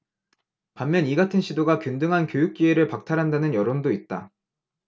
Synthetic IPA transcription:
pamːjʌniɡatʰɯnɕʰidoɡakjundɯŋɦankjojuk̚k͈ie̞ɾɯɭpak̚tʰaɾɦandanɯnjʌɾondoit̚t͈a̰

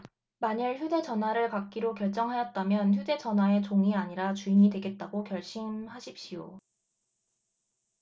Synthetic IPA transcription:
maɲiɭçjude̞t͡ɕʌnwaɾɯɭpak̚k͈iɾokjʌɭt͡ɕ͈ʌŋɦajʌt̚t͈amjʌnçjude̞t͡ɕʌnwae̞t͡ɕoŋiaɲiɾat͡ɕuiɲidwe̞ɡe̞t̚t͈aɡokjʌɭɕ͈imɦaɕʰip̚ɕ͈ijo̰

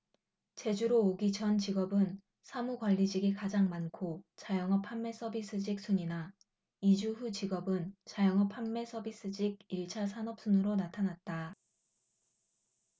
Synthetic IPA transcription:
t͡ɕe̞d͡ʑuɾoːɡit͡ɕʰʌnt͡ɕiɡʌbɯn | sʰamukwaʎːid͡ʑiɡikad͡ʑaŋmankʰot͡ɕajʌŋɦʌpʰamːe̞s͈ʰʌbis͈ɯd͡ʑik̚s͈ʰuɲina | id͡ʑuɸut͡ɕiɡʌbɯnt͡ɕajʌŋʌpʰamːe̞sʰʌbis͈ɯd͡ʑiɡ̚iɭt͡ɕʰasʰanʌp̚s͈unɯɾonatʰanat̚t͈a

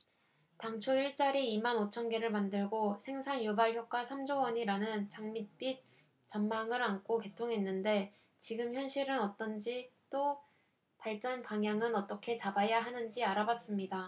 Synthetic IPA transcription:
taŋt͡ɕʰoiɭt͡ɕ͈aɾiimanot͡ɕʰʌnɡe̞ɾɯɭmandɯɭɡosʰe̞ŋsʰaŋjobaɭçjok̚k͈wasʰamd͡ʑowʌɲiɾanɯnt͡ɕaŋmit̚p͈it̚ | t͡ɕʌmmaŋɯɾankʰoke̞tʰoŋɦe̞nːɯnde̞ | t͡ɕiɡɯmçjʌnɕʰiɾɯnʌt͈ʌnd͡ʑit͈o | paɭt͡ɕ͈ʌnpaŋjaŋɯnʌt͈ʌkʰe̞t͡ɕabajaɦanɯnd͡ʑiaɾabas͈ɯmɲida

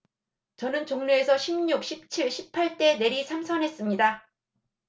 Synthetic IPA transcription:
t͡ɕʌnɯnt͡ɕoŋɲue̞sʰʌɕʰimɲuk̚ɕ͈ʰip̚t͡ɕʰiɭɕʰipʰːaɭt͈e̞ne̞ɾisʰamsʰʌnɦe̞s͈ɯmɲida

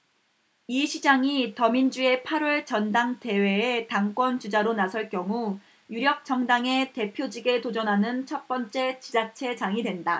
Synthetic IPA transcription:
iɕʰid͡ʑaŋitʌmind͡ʑue̞pʰaɾʌɭt͡ɕʌndaŋte̞we̞ːtaŋk͈wʌnt͡ɕud͡ʑaɾonasʰʌɭk͈jʌŋu | juɾjʌk̚t͡ɕ͈ʌŋdaŋe̞te̞pʰjod͡ʑiɡe̞tod͡ʑʌnɦanɯnt͡ɕʰʌp͈ʌnt͡ɕ͈e̞t͡ɕid͡ʑat͡ɕʰe̞d͡ʑaŋidwenda

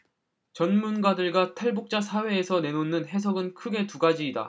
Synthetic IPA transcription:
t͡ɕʌnmunɡadɯɭɡatʰaɭbuk̚t͡ɕ͈asʰawe̞ːsʰʌne̞nonːɯnɦe̞s̬ʰʌɡɯnkʰɯɡe̞tuɡad͡ʑiːda̰

